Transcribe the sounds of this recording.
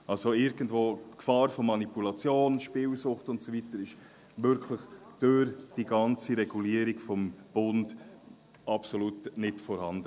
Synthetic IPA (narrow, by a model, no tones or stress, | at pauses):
ʔɑlsoɪɾɡ̥əndvoːkfɑːɾfomɑnipulɑt͡sjoːnʃpɪːlsʊχtʊntsovitəɾɪʃ | ʋʏɾkʰləχd̥øɾd̥iɡɑnt͡siɾɛɡ̥uliːəɾiɡfɔmb̥ʊnd | ɑpsolutnɪtfɔɾhɑndə